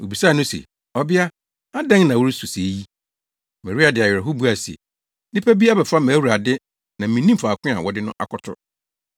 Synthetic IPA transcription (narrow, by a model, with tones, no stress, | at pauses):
o˨bi˨sa˦˨nʊ̃˦sḛ˨ | ɔ˦bɪ˦a˦ | a˦dɛ̃˦ŋnã˨wɔ˦ɾi˦su˨se˨˦ji˦ | mɛ̃˨ɾu˦a˨dɪ˨a˨jɛ˨ɾɛ˨ɦʊ˦bu˦a˨sḛ˨ | nɪ̃˦pʰæ˦bi˦a˦bɛ˨fa˦mæː˨˦u˨ɾa˨dɪ˦ | nã˨mĩ˨˦nĩ˦m̩˦fa˨kʰʊ̃˦a̰˨wɔ˦dɪ˦nʊ̃˦ʔa̰˨kʰɔ˨tʰʊ̰˦˨